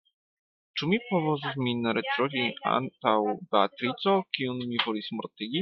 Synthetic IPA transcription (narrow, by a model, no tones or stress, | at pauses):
ʈ͡ʂumʲipɔvɔzuvmʲinaɾɛtɾɔvʲia̰nt̪awbɛat̪ɾit̪sɔkiunmʲivɔlʲismɔɾt̪ɘɡʲi